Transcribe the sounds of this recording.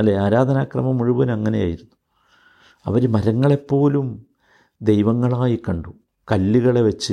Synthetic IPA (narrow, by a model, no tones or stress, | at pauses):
leaːɾaːd̪ʱɐnaːkrɐmɐmuɻuʋɐnɐŋːɐne̞ja̰ːjiɾunːu | ɐ̰ʋɐɾumɐɾɐŋːɐɭe̞pːo̞ːlum | d̪e̞jʋɐŋːɐɭaːjikɐɳɖu | kɐlːiɣɐɭe̞ʋet͡ɕːɨ